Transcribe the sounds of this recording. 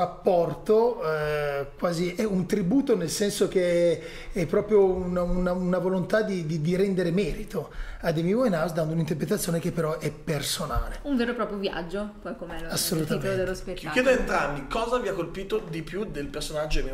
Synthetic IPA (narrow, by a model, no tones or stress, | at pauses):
apːɔrt̪o | kwaːziʔɛunt̪ɾibuːt̪onelsɛnsok̟e | ɛpːɾɔːpɾjounaunanavolont̪ad̪id̪id̪iɾɛnd̪eɾemɛːɾit̪ʰoad̪emivojnawsd̪and̪ounint̪erpɾet̪̬at̪sːjoːnek̟epːeɾɔʔɛpːersonaːleuɱveːɾopɾɔːpɾjovja̰d͡ʒːopɔjkomɛasːolut̪amed̪elːospetkjɛd̪oent̪ɾambikɔːzaviakːolpiːt̪od̪ipjud̪elpersonad͡ʒːoemi